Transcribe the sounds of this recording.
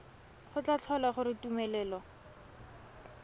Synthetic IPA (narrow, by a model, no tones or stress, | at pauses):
χʊt͡ɬat͡ɬʰɔlaχʊɾɪtumɛlɛːlɔ